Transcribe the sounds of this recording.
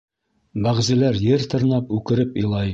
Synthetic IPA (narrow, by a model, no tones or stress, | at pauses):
bæʁzilæɾjɘɾt̪ɤ̆ɾnɑpʉkɘ̆ɾɘpĭjlˠɑj